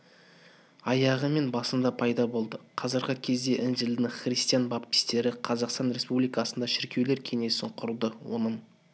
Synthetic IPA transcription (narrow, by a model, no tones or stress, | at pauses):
ɑjɑʁəme̞nbɑsənd̪ɑpʰɑjd̪ɑbo̞lˠd̪əqʰɑzəɾʁəkʲʰe̞zd̪e̞ʔɪnʒɪld̪ɪχrist̪ijanbap̚kʲɪ̥st̪e̞ɾɪqʰɑzɑqst̪ɑnɾe̞spublijkɑsənd̪ɑʃɪɾkʲewle̞ɾkʲʰe̞ŋe̞sɪɴqʰʊɾd̪əwo̞̰nəɴ